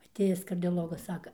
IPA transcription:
ɐˈtʲeːjɪs kɐrʲdʲoːˈlˠoːɡɐs ˈsɑːkɐ

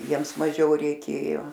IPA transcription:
ˈjiɛms mɐˈʒʲɛʊ rʲɛɪˈkʲeːjoː

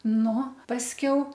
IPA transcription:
ˈnʊ pɐsʲˈkʲɛʊ

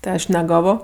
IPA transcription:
tʲɪ ˈɐʃ nʲɛˈɡɑːʋoː

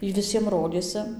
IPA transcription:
ˈiː ʋʲɪˈsʲiɛm ˈroːdʲeːsʲɪ

